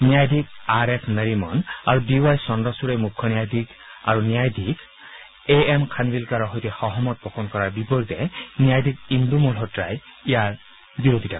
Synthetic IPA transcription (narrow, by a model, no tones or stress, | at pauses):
nijajdʱik̚aɹɛkʰnəɹimɔ̰naɹudiwajsɔndɔsuɹɛmukʰːɔnijajdʱik | a̰ɹunijajdʱik | eɛmkʰanbilkaɹɔɦɔjtixɔɦɔmɔt̚bɔxʰɔnkɔɹaɹbipɔɹitɛnijajdʱik̚indumulɦɔtɹa̰jijaɹ | biɹodʱitak